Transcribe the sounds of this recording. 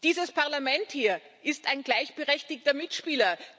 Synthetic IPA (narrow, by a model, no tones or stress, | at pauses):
d̥iːzəspaɐlamɛnthiːɐ | ʔɪstaɪnɡlaɪçb̥əʁɛçtɪktɐmɪtʃpiːlɐ